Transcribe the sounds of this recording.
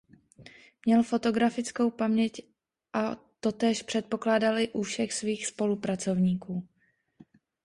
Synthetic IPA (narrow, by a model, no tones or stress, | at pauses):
mɲɛlfo̞t̪o̞ɡɾafɪt͡sko̞wpamɲɛc | ʔat̪o̞t̪ɛːʃpr̝̥ɛt̪̚po̞klaːdalɪʔufʃɛxsviːxspo̞lupɾat͡so̞vɲiːkuː